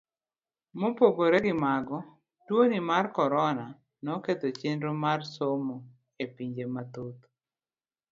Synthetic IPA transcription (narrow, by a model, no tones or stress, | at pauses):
mopoɡoɾeɡɪmaɡɔ | twonimarkɔɾɔna | nɔket̪ot͡ʃɪnɾomarsomo | epiɲd͡ʒemat̪ot̪